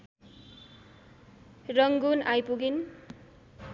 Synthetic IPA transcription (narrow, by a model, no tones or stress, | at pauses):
rʌŋɡunajpuɡin